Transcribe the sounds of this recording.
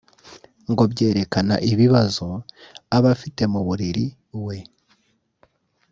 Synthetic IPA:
ŋɡo̞bɟe̞ːɾe̞kana̰ʔiβiβazo̞aβafite̞muβuɾiɾi | we̞

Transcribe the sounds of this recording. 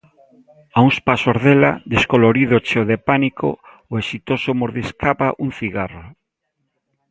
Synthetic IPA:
auŋspasozðelad̪eskoloɾiðot͡ʃeoðepanikʰo̰ | oesit̪osomoɾðiskʰapaʔuŋθiɣaro

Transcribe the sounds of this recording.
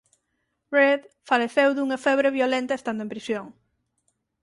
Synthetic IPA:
reðfaleθewðuŋɐfɛβɾeβjolẽnt̪ɐest̪and̪oempɾisjoŋ

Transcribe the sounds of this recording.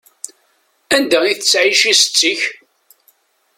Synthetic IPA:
ænd̪æiθət͡sːʕiʃisə̥t͡sːiç

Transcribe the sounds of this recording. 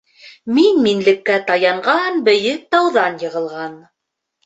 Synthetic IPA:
minminlɘ̆kːæt̪ɑjɑɴɢɑnbɘ̆jɘk̚t̪ɑwðɑnjɤ̆ʁɤ̆lˠʁɑn

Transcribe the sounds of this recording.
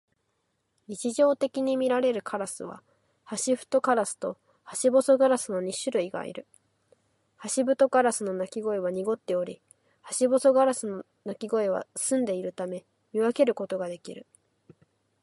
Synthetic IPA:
ɲit͡ɕiʑo̞ːt̪e̞kʲiɲ̟imʲiɾaɾe̞ɾɯ̟kʰaɾasɨβ̞a̰ | haɕiɸɯ̟̥t̪o̞kaɾasɨ̥t̪o̞ | haɕibo̞so̞ɡaɾasɨno̞ɲ̟iɕɨɾɯ̟iɡa̰ḭɾɯ̟ | haɕibɯ̟t̪o̞kaɾasɨno̞nakʲiɡo̞eβ̞aɲ̟iɡo̞t̪ːe̞o̞ɾʲi | haɕibo̞so̞ɡaɾasɨno | nakʲiɡo̞eβa̰sɨ̃nd̪e̞iɾɯ̟t̪ame̞ | mʲiβake̞ɾɯ̟ko̞t̪oɡad̪e̞kʲiɾɯ̟

